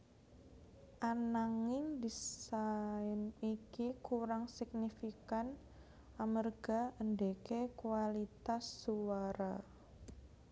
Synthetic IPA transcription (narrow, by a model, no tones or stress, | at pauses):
ʔanaŋɪŋd̪isaɪnikikuɾaŋsik̚nifikan | ʔamərɡ̥a̤əndekekuwalit̪asːuwaɾa